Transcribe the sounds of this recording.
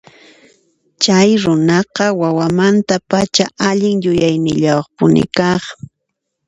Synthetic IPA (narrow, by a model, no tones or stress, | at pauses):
t͡ʃajɾʊnɑqɑwawamant̪apat͡ʃaʔaʎɪŋjʊjajnɪʎawχpʊnɪ̰kɑχ